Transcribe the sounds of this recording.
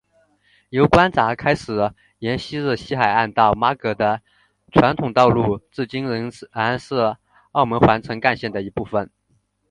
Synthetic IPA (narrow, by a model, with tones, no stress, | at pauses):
jo˧˥ʊkwa˥nt͡sa˧˥kʰa˥ɪʂɻ̩˨˩ | jɛ˧˥nɕi˥ɻ̩˥˩ɕi˥xa˨˩ɪa˥˧nt̪ɑ˥˩ʊma˥kɤ˧˥d̪ə˧ | ʈ͡ʂʰwa˧˥nt̪ʰʊ˨˩ŋt̪ɑ˥˧ʊlu˥˧t͡sɹ̩˥˩t͡ɕi˥ŋa˧˥nsɤ˥˧ | ɑ˥˩ʊmə˧˥nxwa˧˥nt͡sʰɤ˧˥ŋka˥˧nɕjɛ˥˩nd̪ə˩i˧˥pu˥˩fə˨˩n